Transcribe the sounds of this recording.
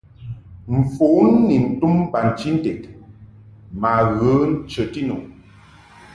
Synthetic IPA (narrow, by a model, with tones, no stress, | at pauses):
m̩˨fo˨˦n˦ni˨n̩˨tu˦m˦ba˨n̩˨t͡ʃi˦n̩˦te˨k | ma˨ɣə˨˦n̩˦t͡ʃə˨ti˦nu˨